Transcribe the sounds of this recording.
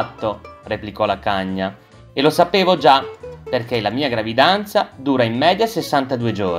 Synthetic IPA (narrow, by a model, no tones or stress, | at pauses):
t̪ːoreplikɔlakaɲːa | elosapeːvod͡ʒaperk̟elamiːaɡɾavid̪ant̪sad̪uːɾaimːɛːd̪jasesːant̪ad̪uːed͡ʒoː